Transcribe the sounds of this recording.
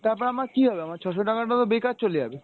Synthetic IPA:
t̪aɾpɔɾamaɾkiɦɔbeamaɾt͡ɕʰɔʃ̬oʈakaʈat̪obekat͡ɕ̚t͡ɕoled͡ʑa̰be

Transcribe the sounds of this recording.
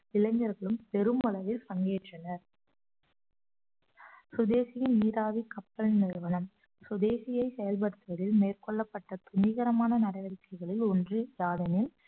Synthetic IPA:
ɪlɐŋɡɐɾɣɐɭɯmpɛɾɯmɐlɐʋɪlpɐŋɡeːʈrɐnɐɾ | sʊd̪eːsɪjɪnniːɾaːʋikɐpːɐɭnɪɾɾʋɐnɐm | sʊðeːsɪjɐɪsɛjɐlp̬ɐɽɯt̪ːɯʋɐðɪlmeːrkɔɭːɐpːɐʈːɐt̪ʊniːɣɐɾɐmaːnɐnɐɾɐʋɐɾɪkːɐɪɣɐɭɪlɔndrɯjaːðɐnɪl

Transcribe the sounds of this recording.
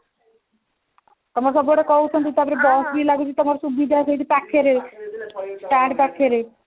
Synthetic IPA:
t̪omaɾs̬ɔpoʈekɔut̪ːont̪it̪apɾebɔsɾilaɡud͡ʑet̪omaɾʃubid̪ʱasejt̪ipɛkʰːeɾe | ʈɛɳɖpɛkʰːeɾe

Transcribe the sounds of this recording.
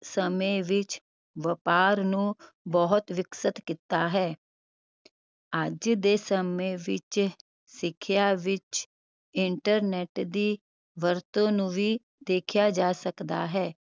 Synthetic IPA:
səmẽːʋɪt͡ʃ | ʋəpaːɾnũː | bɔɦʊt̪ʋɪksət̪kɪt̪aːɦɛː | əd͡ʒd̪eːsəmẽːʋɪt͡ʃ | sɪkʰːjaːʋɪt͡ʃ | ɪɳʈəɾnɛːʈd̪iː | ʋəɾt̪õːnũːʋiː | d̪eːkʰjaːd͡ʒaːsəkd̪a̰ːɦɛː

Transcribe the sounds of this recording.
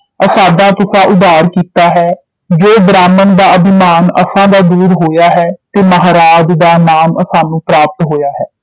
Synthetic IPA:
əsaːd̪ãːt̪ʊsãːʔʊd̪aːɾkiːt̪aːɦɛː | d͡ʒoːbɾaːmənd̪aːəbɪmaːnəsãːd̪aːd̪uːd̪ɦoːjaːɦɛːt̪eːməɦaːɾaːd͡ʒd̪aːnaːməsaːnũːpɾaːp̚t̪ɦoːjaːɦɛː

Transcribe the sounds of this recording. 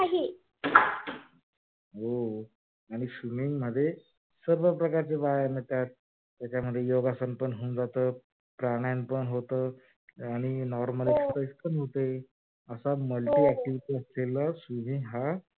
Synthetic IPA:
aɦi | o | aɽ̃iɕumiŋməd̪ʱːje | səɾʋəpɾəkaɾt͡seʋajanet̪jat̪̚ | t̪jat͡ɕjaməd̪ʱːjejoɡasənpəɳɦoːnd͡zat̪əː | pɾaɽ̃janpəɳɦot̪əː | aɽ̃inɔɾməlekspɾajspəɳɦot̪e | əsaməlʈiːæk̚ʈiʋiʈiːəsleləsumiŋɦa

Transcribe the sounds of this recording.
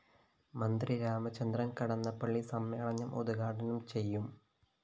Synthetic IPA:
mɐnd̪riɾaːmɐt͡ɕːɐnd̪rɐnkɐɽɐnːɐpːɐɭːisɐmːeːɭɐɲːɐmʔoðuɣaːʈɐnumt͡ɕe̞jːum

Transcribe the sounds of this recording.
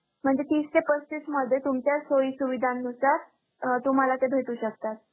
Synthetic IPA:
m̤əɳd͡zet̪iːstepəst͡ɕit̪məd̪ʱjet̪umt͡ɕjasoisuʋid̪ʱanːusaɾ | t̪um̤alat̪ebʱeʈ̪uːɕək̚t̪at̪̚

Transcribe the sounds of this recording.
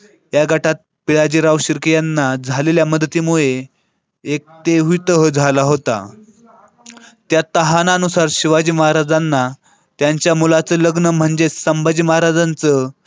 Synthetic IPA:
jaɡʱaʈat̪̚piɭad͡ʑiːɾaʋɕiɾkjanːad͡zʱaleljaməd̪t̪iːmuɭe | ek̚t̪eɦit̪əɦəd͡zʱalaɦot̪a̰ | t̪jat̪əɦananusaɾɕiʋad͡ʑiːməɦaɾad͡zanːa | t̪jaɲt͡ɕjamulat͡səːləɡnəm̤əɳd͡zesəmbad͡ʑiːməɦaɾad͡zant͡sə

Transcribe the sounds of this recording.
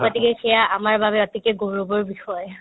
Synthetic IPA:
kɔtikɛxɛjaamaɹbabɛɔtikɛɡoɹubɔɹbixɔj

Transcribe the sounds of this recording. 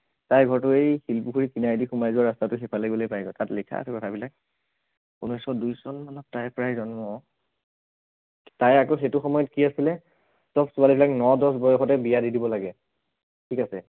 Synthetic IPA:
tajɡʱɔɹtʊejxilpuxʰuɹikinajdixumajzuaɹastatʊxipʰalaɡibɔlojpajɡɔtatlikʰa̰sɛkɔtʰabilak̚ | unɔjsɔdujsɔnmanɔtːajpɹajzɔnmɔ | tajakoxetʊxɔmɔjɔtkiasilɛ | sɔpsualibilaknɔdɔs̬bɔjɔxɔtɛbijadidibɔlaɡɛ | tʰikasɛ

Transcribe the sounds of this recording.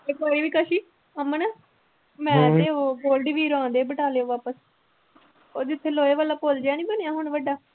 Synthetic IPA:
ekoːiːʋiːkəʃiː | əmːənəː | mɛ̃ːt̪eːoːboːlɖʋiːɾãːnd̪eːbəʈaːleːoːʋaːpəs | oːd͡ʒɪt̪ʰːeːloːeːʋəlːaːpoːld͡ʒaːñĩːbənejaːɦʊɳʋəɖaː

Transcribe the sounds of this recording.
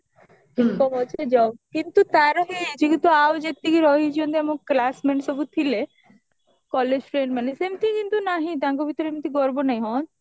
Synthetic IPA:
ʈʰikkɔbɔt͡ʃʰed͡ʒɔwkint̪ut̪aɾɔɦit͡ʃʰikint̪uawd͡ʒet̪ikiɾɔɦid͡ʒond̪iamɔkklasmeɳsɔbut̪ʰile | kɔled͡ʒʈɾenmanesemt̪ʰĩkint̪unaɦĩt̪ãŋkobʱit̪ɔɾemt̪ʰiɡɔɾbonaĩɦɔ̃n

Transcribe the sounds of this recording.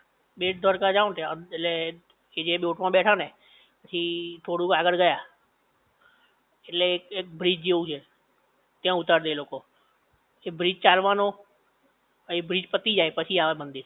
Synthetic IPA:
ɓeːʈ̚d̪ʱəɾkaːd͡ʒaːʋt̪ʰele | ed͡ʒeːɓjoːʈʰmãːɓɛːʈʰãːnẽː | pət͡ʃʰĩʈ̪ʰoːɽukaːɡəɽɡəjaː | ɪlekɪk̚bɾiːd͡ʒd͡ʒeːud͡ʒeː | t̪ɪ̃ãːʊt̪aːɾd̪eːloːkoː | ebɾiːd͡ʒt͡ʃaːlʋaːnoː | ɛ̃bɾiːd͡ʒpət̪iːd͡ʒaːepət͡ʃʰĩaːʋebə̃nd̪iː

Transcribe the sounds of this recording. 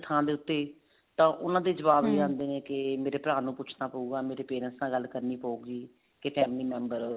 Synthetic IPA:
t̪ʰãːd̪eːʊt̪ːeː | t̪ãːʔʊnãːd̪eːd͡ʒəʋaːbeːãːnd̪eːnẽːkɪmeːɾeːpəɾaːnũːpʊt͡ʃʰnaːpəuːɡaːmeːɾeːpeːɾɛ̃nsnãːɡəlkəɾniːpəuːɡɡiː | kɪpʰɛːmliːmɛ̃ːmbəɾ

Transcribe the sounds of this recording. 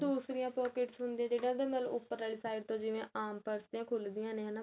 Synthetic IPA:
d̪uːsɾɪjãːpɔːkɪʈsɦʊnd̪iãːd͡ʒeːɽãːd̪ẽːmɛːl̰ːʊpːəɾaːɭisaːɪɖt̪õːd͡ʒɪʋẽːʔaːmpəɾst̪jãːkʰʊld̪ijãːnẽənaː

